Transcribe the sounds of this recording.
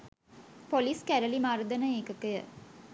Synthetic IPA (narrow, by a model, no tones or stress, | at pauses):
poliskæɾəlimaːɾɐd̪ɐnɐeːkɐkɐjə̰